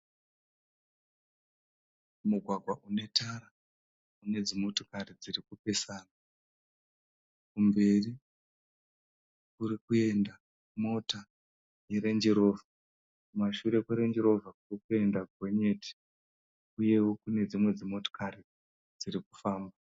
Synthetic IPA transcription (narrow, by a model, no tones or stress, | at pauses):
muɡʱwaɡʱwaʔune̞tʰaɾa | une̞d͡zimo̞to̥kaɾid͡zirikupe̞saːna | kumbe̞ri | kuɾikue̞nda | mo̞ta | jeɾe̞nd͡ʒeɾo̞ːva | kumaʃuɾe̞kweɾe̞nd͡ʒeɾo̞vʱakurikue̞ndakwe̞ɲe̞ti̥ | uje̞wokune̞d͡zimwe̞d͡zimo̞to̥kari | d͡ziriku̥faːmba